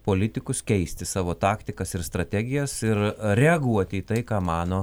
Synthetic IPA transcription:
poːlʲɪt̪ʲɪkʊskʲɛɪsʲt̪ʲɪsɑːʋoːt̪ɑːkt̪ʲɪkɐsɪɾst̪ɾɐt̪ʲæːɡʲɪjɛsɪɾɾʲɛɐɡuɔt̪ʲɪiːt̪ɐɪkɑːmɑːnoː

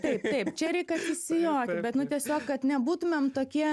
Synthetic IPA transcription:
t̪ɐɪpt̪ɐɪpt͡ʃʲɛɾʲɛɪkɐsʲɪsʲɪjoːt̪ʲbʲɛt̪nʊt̪ʲiɛsʲoːkkɐt̪nʲɛbuːt̪ʊmʲemt̪oːkʲiɛ

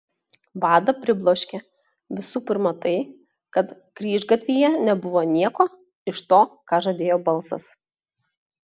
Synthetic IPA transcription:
bɑːd̪ɐpʲɾʲɪblˠoːʃʲkʲe | ʋʲɪsuːpʲɪɾmɐt̪ɐɪ | kɐt̪ | kɾʲiːʒɡɐt̪ʲʋʲiːjɛnʲɛbʊʋoːnʲiɛkoː | ɪʃt̪oːkɑːʒɐd̪ʲeːjoːbɐlˠsɐ̰s

